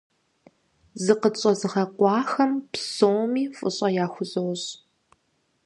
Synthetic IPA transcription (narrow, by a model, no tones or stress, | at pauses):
zɨqət͡ʃʼɐzɨʁɐqʷɑːxɐmpsowmiːfʼɨ̰ɕʼɐjaːxʷʊzowɕ